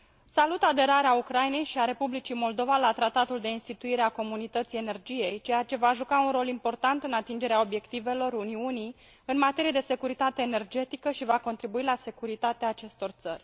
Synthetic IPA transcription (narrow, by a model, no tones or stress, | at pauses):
salut̪ad̪e̞ɾaɾeaukɾajne̞jʃiaɾe̞publit͡ʃimo̞ld̪o̞valat̪ɾat̪at̪uld̪e̞inst̪it̪uiɾe̞ako̞munit̪ət̪sije̞ne̞rd͡ʒije̞jt͡ʃe̞jat͡ʃe̞vaʒukaunro̞limpo̞rt̪ant̪ɨnat̪ind͡ʒe̞ɾeao̞bje̞kt̪ive̞lo̞runiunij | ɨnmat̪e̞ɾijed̪e̞se̞kuɾit̪at̪e̞ːne̞rd͡ʒe̞t̪ikəʃivako̞nt̪ɾibuilase̞kuɾit̪at̪eaːt͡ʃe̞st̪o̞rt̪sə̰rʲ